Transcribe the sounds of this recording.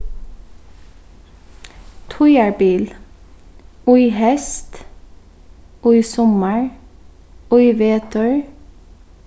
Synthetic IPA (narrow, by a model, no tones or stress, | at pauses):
t̪ʰɔʏəɹbiːl | ʉʏhɛst̪ | ʔʉisɔməɹ | ʉʏʋeːt̪ʰʉɹ